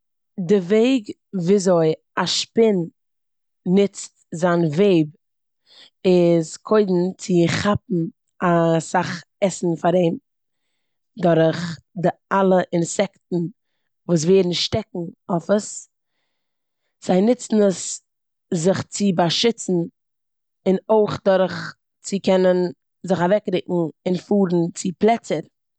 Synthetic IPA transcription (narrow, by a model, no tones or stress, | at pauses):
dɪveɪɡ | viːzoɪ | aʃpɪnː | ɪt͡stzaːnveɪb | ɪskʰoɪdn̩t͡sɪχap̚n̩ | asaχɛsn̩faɾeɪm | dɔɾχdɪalˠəʔɪnsɛktn̩ | vuːs̬veːɾn̩ʃtɛk̚ŋ̩ofəs | z̥aɪnɪt͡sn̩əs | zɪχt͡sɪbaʃɪt͡sn̩ | ɪnoɪχdʊɾχ | t͡sɪkɛnən | zɪχavɛkɾɪkŋ̩ɪnfuːɾn̩t͡sɪplˠɛt͡səɾ